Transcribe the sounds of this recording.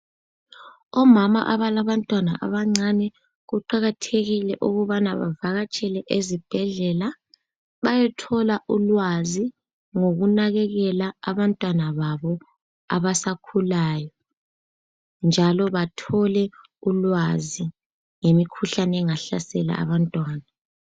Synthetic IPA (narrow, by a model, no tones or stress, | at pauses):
ɔmama̰ʔaβalaβantʼwana̰ʔa̰βaŋ͡ǀanɛ | ɣuǃaɣatʰeɣilɛʔuɣuβanaβa̰vaɣat͡ʃʼɛlɛʔezib̥ʱɛɮɛla | βajɛtʰɔlaʔulwazi | ŋoɣunaɣɛɣɛlaːβantʼwanaβaβɔ | a̰βasakʰulaːjɔ | nd͡ʒʱalɔβatʰɔlɛ | ulwazi | ŋemikʰuɬanɛɛŋaɬasɛla̰ʔa̰βantʼwaːna